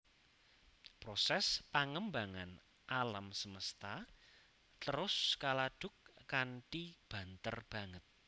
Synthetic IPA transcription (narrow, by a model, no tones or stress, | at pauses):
pɾosɛspaŋəmbaŋan | ʔalamsəməst̪a | t̪əɾʊskalaɖ̥ʊ̤kːanʈib̥a̤nt̪ə̰rb̥ä̤ŋət̪̚